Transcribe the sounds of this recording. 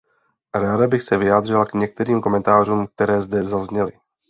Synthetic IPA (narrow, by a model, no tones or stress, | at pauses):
ɾaːdabɪxsɛvɪjaːd̪r̝ɪlakɲɛk̚t̪ɛɾiːmko̞mɛnt̪aːr̝uːmk̚t̪ɛɾɛːzdɛzazɲɛlɪ